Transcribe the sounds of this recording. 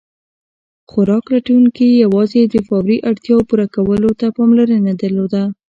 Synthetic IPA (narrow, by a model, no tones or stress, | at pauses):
xʊɾɑklaʈawuŋkijawɑzed̪əfawɾiʔaɽt̪jɑpuɾakawəlot̪apɑmlaɾənad̪əɾlod̪a